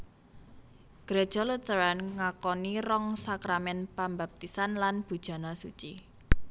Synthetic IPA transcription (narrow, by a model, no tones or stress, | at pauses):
ɡ̥ɾed̥ʒ̥ɔlut̪əɾanŋakɔnirɔŋsakɾamɛnpambap̚t̪isanlanb̥ṳd̥ʒ̥a̤nɔsut͡ʃḭ